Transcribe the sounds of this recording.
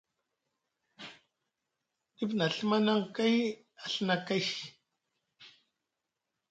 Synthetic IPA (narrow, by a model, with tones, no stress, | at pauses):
di˦pna˨ɬma˦na˦ŋka˦j | a˨ɬna˦ka˦j